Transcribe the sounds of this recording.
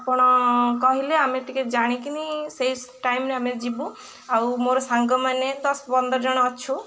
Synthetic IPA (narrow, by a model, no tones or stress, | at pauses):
apɔɽ̃ɔkɔɦileameʈiked͡ʒaɽ̃ikinisejsʈajmɾeamed͡ʒibu | awmoɾɔsaŋɡɔmaned̪ɔsbɔnd̪ɔɾd͡ʒɔɽ̃ɔːt͡ʃʰu